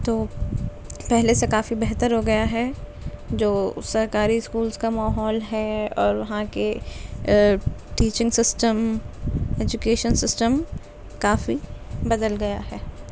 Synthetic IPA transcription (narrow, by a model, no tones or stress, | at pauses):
t̪oː | pɛɦlesekaːfibɛɦt̪əɾɦoɡɐjaɦɛ | d͡ʒoːsɐɾkaːɾiɪskuːlzkamaːɦɔːlɦɛɔːɾʋɐɦãke | ʈiːt͡ʃɪ̃ŋɡsɪsʈəm | eːd͡ʒʊkeːʃənsɪsʈəm | kaːfibɐd̪əlɡɐjaɦɛː